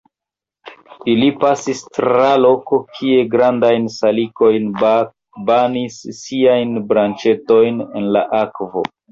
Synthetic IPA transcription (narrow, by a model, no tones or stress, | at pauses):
ilipasistɾalo̞ko̞kʰie̞ɡɾandajnsaliko̞jn | banisːiajnbɾant͡ʃe̞to̞jne̞̰nlaʔakvo̞̰